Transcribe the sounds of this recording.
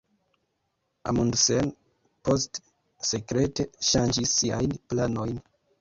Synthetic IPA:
a̰mundsen | po̞st | se̞kɾe̞te̞ʃand͡ʒisːiajnplano̞jn

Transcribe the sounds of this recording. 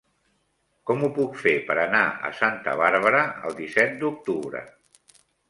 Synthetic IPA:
kɔmupukfepəɾənaə̰sant̪ə̰βaɾβ̞əɾəə̰lˠd̪isɛt̪̚d̪uk̚t̪uβɾə̰

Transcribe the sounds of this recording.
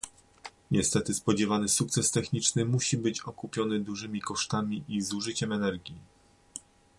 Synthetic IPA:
ɲɛst̪ɛt̪ɘspɔd͡ʑɛvanɘsuk̚t̪sɛst̪ɛxɲit͡ʂnɘmuɕibɘt͡ɕɔkupʲjɔnɘd̪uʐɘmʲikɔʂt̪amʲiʔizuʐɘt͡ɕɛmɛnɛɾɡʲi

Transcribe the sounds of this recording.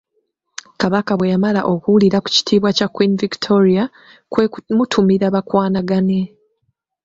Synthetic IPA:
kaβakaβwe̞jamalaʔo̞kuwuliɾaku̥ci̥tʰiːβwacakwiniviktʰo̞ɾia | kmutʰumiɾaβakwaːnaɡane̞

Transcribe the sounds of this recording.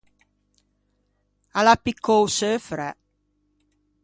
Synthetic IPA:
alapikːowsøfɾɛ

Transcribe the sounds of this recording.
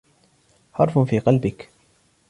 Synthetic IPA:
ħɑɾˤfʊnfiːqɑlbɪk

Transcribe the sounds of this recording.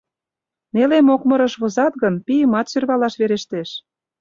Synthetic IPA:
nelemokmɤ̆ɾɤ̆ʃβŏzɑt̪ɣɤnpijəmɑt̪syrβɑlɑʃβeɾeʃt̪eʃ

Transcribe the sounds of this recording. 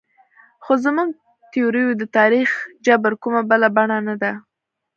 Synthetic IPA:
xozmuɡ̚ | t̪ioɾijod̪ət̪ɑɾixd͡ʒabəɾkumabəlabaɳanad̪a

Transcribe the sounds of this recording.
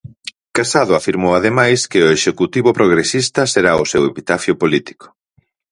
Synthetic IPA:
kasaðʊafiɾmowað̞emajskɪʊeʃekut̪iβʊpɾoɣɾesist̪ɐseɾaʊsewepit̪afjʊpolit̪i̥kʊ̥

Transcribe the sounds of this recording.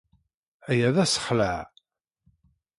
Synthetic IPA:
æjæðæsə̥χləʕ

